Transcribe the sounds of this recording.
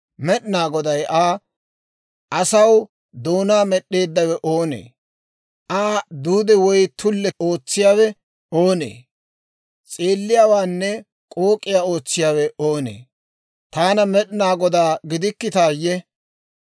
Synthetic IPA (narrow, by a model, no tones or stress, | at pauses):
mɛɗɪnaːɡɔd̪ɐjʔaː | ʔɐsɐw | d̪o̞ːnaːmɛɗːe̞ːd̪ːɐwɛʔo̞ːnḛː | ʔaːd̪uːd̪ɛwɔjt̪ʊlːɛo̞ːt͡sːɪjaːwɛ | o̞ːnḛː | t͡sʼe̞ːlːɪjaːwaːnːɛ | kʼo̞ːkʼːɪjaːo̞ːt͡sːɪjaːwɛoːnḛː | t̪aːnɐmɛɗɪnaːɡɔd̪aːɡɪd̪ɪkːɪt̪aːjɛ